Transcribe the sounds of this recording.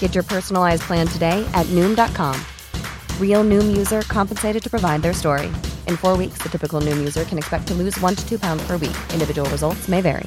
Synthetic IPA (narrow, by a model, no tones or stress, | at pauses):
ɡ̥ɛt͡ʃə˞pʰɜ˞sn̩l̩ˠaɪzpʰl̥æ̃ntʰɨdeɪʔɨtⁿnʉ̃mdɑt̚kʰɑ̃m | ɹilˠnʉ̃mjʉzə˞kʰɑ̃mpnseɪɾɨd̚tʰɨ̥pʰɹ̥əvaɪd̪̚ðə˞stɔɹḭʔɨ̃nfɔɹwiksðɨtʰɪpɨkl̩ˠnʉ̃mjʉzə˞kʰɨ̃nɨkspɛk̚tʰəlʉzwʌ̃ntʰɨ̥tʰʉpʰãʊ̃ndz̥pʰə˞wḭkɪ̃ndɨvɪd͡ʒəwl̩ˠɹɨzʌlˠtsmeɪvɛ̰ɹḭ